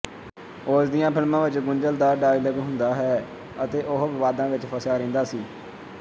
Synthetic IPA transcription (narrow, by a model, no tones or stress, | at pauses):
oːsd̪ijãːpʰɪlmãːʋɪt͡ʃɡʊɲd͡ʒəld̪aːɖaːiːləɡɦʊ̃nd̪aːɦɛː | ət̪eːʔʊɦʋɪʋaːd̪ãːʋɪt͡ʃpʰəsaːɾẽːnd̪aːsiː